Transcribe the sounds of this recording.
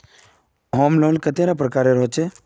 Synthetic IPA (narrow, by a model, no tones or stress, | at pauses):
ɦoːmloːlkət̪eɾapɾəkaːɾeɾoɦt͡ʃe